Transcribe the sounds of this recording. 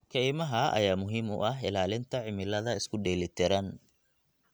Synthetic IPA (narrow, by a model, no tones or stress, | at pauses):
kʰɛjmɐɦɐɐ̰jaːmʊɦiːmʊ̰ʔɐɦɪlaːlɪnt̪ʰɐʕɪmɪlɐðɐɪskʰʊɖɛːlɪt̪ʰɪɾɐn